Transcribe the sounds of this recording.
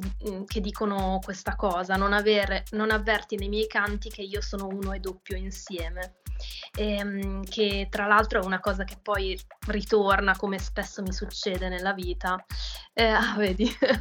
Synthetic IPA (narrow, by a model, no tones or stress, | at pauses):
k̟ed̪ːiːkonokwest̪akɔːzanonaveːɾenonavːɛrt̪inejmjɛjkant̪ik̟eiːosoːnouːnoed̪ːopːjoinsjɛːme | ɛkʰet̪ːɾalalt̪ɾoɛunakɔːzak̟epːɔjrit̪ornakomespesːomisut͡ʃːɛːd̪enelːaviːt̪aɛaveːd̪i